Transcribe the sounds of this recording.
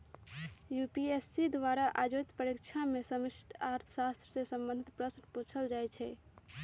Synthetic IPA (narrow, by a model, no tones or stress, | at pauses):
jupiesːid̪ʋaɾaʔad͡ʒot̪pɾəɾikt͡ʃʰamesəmisʈaɾt̪ʰə̥sast̪ɾəsẽsə̃mbə̃nd̪ʱit̪pɾəsnput͡ʃʰəld͡ʒajt͡ʃʰɛ